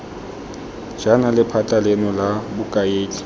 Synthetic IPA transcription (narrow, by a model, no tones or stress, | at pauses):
d͡ʒanalɪpʰatʼalenɔlabʊkʼaeːt͡ɬʼi̥